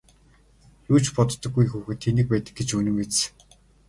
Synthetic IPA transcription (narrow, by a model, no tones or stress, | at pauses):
juːt͡ɕpɔt̪t̪ːɞ̆ɡujxuːxɘ̆t̪ʰːenɘ̆k̚pæːt̪ə̆k̚ɡet͡ɕunɘ̆mes